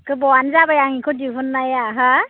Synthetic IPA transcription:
kɯbɔanzabajaŋikʰɔdiɦɯnːajaɦa

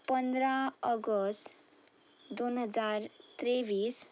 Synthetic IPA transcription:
pənd̪ɾaɔɡɔst | d̪onɦəd͡zaɾt̪ɾeʋiːs

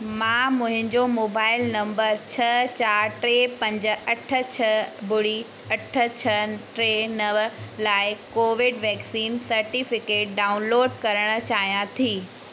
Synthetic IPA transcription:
mãːmʊ̃ɦɪ̃ɲd͡ʑomoːbaːɪlnɐ̃mbəɾt͡ɕʰɐt͡ɕaːɾʈɾeːpɐ̃ɲd͡ʑə̆ɐʈʰə̆t͡ɕʰɐbʊɽi | ɐʈʰə̆t͡ɕʰɐʈɾenɐʋəlaːɪkoːʋɪɖʋɛːksiːnsɐɾʈifɪkeːʈ̚ɖaːʊnloːɖkɐɾəɽ̃ʊ̆t͡ɕaːɦijãt̪ʰiː

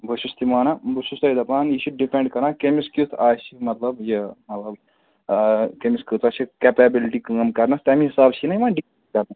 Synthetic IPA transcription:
bʱuʃust̪imaːnɐbʱusust̪ɐjd̪ɐpaːniʃuɖ̚ɖipʰẽɳɖkɐɾnakemiskjut̪ʰaːsimɐt̪lɐbjɐmɐt̪lɐb | kemiskʲut̪aːʃikepebiliʈikɨɐmkɐɾnɐst̪ɐmĩɦisaːbt͡ʃʰinɐiʋaːnɖikeʈkɐɾnɐ

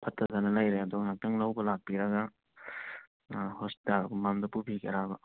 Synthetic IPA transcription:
pʰɐtʰːɐzɐnɐlɐjɾeɐduɡɐŋatɐŋlɐwbɐlak̚piɾɐɡɐ | hospi̥talmamd̪ɐpubikʰeɾabɐ

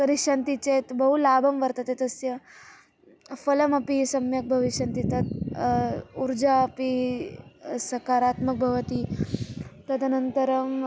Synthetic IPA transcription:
kɐɾiʂɐnt̪it͡set̪bɐɦulaːbʱɐmʋɐɾt̪at̪et̪ɐsjɐ | fɐlɐmɐpisɐmjɐk̚bʱɐʋiʂɐnt̪it̪ɐt̪̚ | uɾd͡ʒaːpi | sɐkaɾat̪mɐk̚bʱɐʋət̪i | t̪ɐt̪ɐnɐnt̪əɾɐm

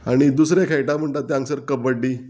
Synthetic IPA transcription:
aɽ̃id̪usɾakʰejʈam̤əɳʈ̪at̪ːjaŋsəɾkəbəɖːi

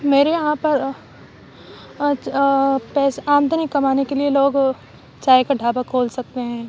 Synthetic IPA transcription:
meːɾejɐɦãpɐɾ | pɛːsaːmd̪ʱənɪkːɐmaːnekelieloːɡ | t͡ʃaːjkaɖʱaːbakʰoːlsɐk̚t̪eɦɛ̃ː

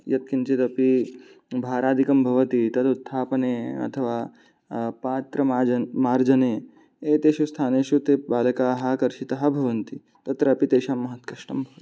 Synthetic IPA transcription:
jɐt̪̚kint͡ʃet̪ɐpibʱaːɾaːd̪ʱikɐmbʱɐʋɐt̪it̪ɐd̪ut̪ʰːaːpɐneːɐ̰t̪ʰɐʋaː | paːt̪ɾɐmaːd͡ʒɐmaːɾd͡ʒɐneː | eːt̪eːʃust̪ʰaːneːʃut̪eːbaːlɐkaːɦɐkɐɾʃit̪ɐɦɐ̆bʱɐʋɐnt̪i | t̪ɐt̪ɾɐːpit̪eːʃaːmːɐɦɐt̪kɐʃʈɐmbʱɐʋɐt̪i̥

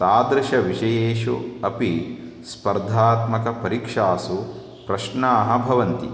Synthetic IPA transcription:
t̪aːd̪ɾuʃɐʋiʃɐjeːʃuɐpi | spɐɾd̪ʱaːt̪mɐkɐpɐɾiːkʂaːsu | pɾɐʃɳɐːɦɐ̆bʱɐʋɐnt̪i

